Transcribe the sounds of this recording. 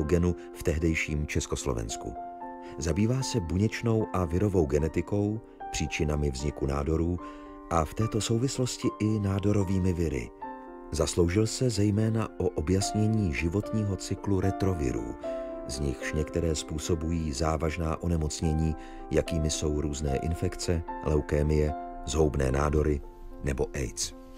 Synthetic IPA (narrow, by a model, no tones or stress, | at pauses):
ɡɛnu | ft̪ɛɦdɛjʃiːmt͡ʃɛsko̞slovɛ̰nskṵ | zabiːvaːsɛbuɲɛt͡ʃno̞wʔavɪɾo̞vo̞wɡɛnɛt̪ɪko̞w | pr̥iːt͡ʃɪnamɪvzɲɪkuna̰ːdo̞ɾuː | ʔaft̪ɛːt̪o̞so̞wvɪslo̞scɪʔɪnaːdo̞ɾo̞viːmɪvɪɾɪ̰ | zaslo̞wʒɪlsɛzɛjmɛːnaʔo̞ʔobjasɲɛɲiːʒɪvo̞t̪ɲiːɦo̞t͡sɪkluɾɛt̪ɾo̞vɪ̰ɾṵːzɲɪxʃɲɛkt̪ɛɾɛːspuːso̞bujiːzaːvaʒnaːʔonɛmo̞t͡sɲɛɲiː | jakiːmɪso̞wɾuːznɛ̰ːʔɪ̰nfɛkt͡sɛlɛwkɛːmɪjɛzɦo̞wbnɛ̰ːnaːdo̞ɾɪ | nɛbo̞ʔɛ̰jt͡s